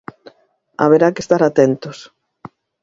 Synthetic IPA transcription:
a̰β̞eɾakest̪aɾat̪ɛnt̪os

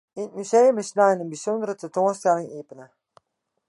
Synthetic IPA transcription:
ɪt̚myzejəmɪsnaːnənbizɔndərətɛntoːnstɛlɪŋeːpənə

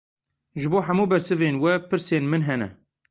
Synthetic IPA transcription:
ʒɨboːħamuːbɛɾsɨveːnwɛpɨɾseːnmɨnɦɛnɛ̰

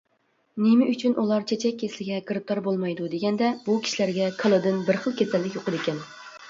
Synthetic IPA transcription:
nemɪʔyt͡ʃʰynʔulˠɑɾt͡ʃʰet͡ʃʰɛk̚ʲʰːeslɪɡʲɛkɨɾɨp̚t̪ʰɑɾbolˠmɑjd̪ud̪eɡʲɛnd̪ɛb̥ukʲʰi̥ʃilæɾɡʲɛkʰəlˠɨd̪ɨnbɪɾχəlˠkʲʰɛsɛlːɪkʲjoqəd̪ekʲʰɛn

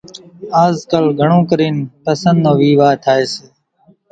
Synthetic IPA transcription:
aːzkəlɡʱəɳõːkəɾiːnpəsənd̪õːʋiːʋaːt̪ʰaːeːseː

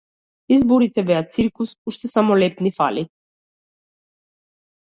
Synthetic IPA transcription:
izboɾit̪ɛbɛasiɾkusuʃt̪ɛsamolɛpnifa̰li

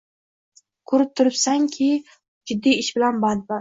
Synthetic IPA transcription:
kʰʊɾɪp̚t̪ʰʊɾɪpsaŋkʲʰɪ | d͡ʒɪd̪ːijɪʃbɪlanbad̪baɾ

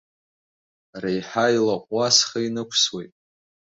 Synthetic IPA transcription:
rejħajlaqʷʼːasχainɨkʷʰswejtʼ

